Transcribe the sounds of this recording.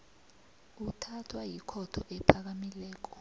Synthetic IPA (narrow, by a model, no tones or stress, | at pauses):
utʰatʰwajikʰɔtʰɔʔɛpʰak̬amilɛːk̬ɔ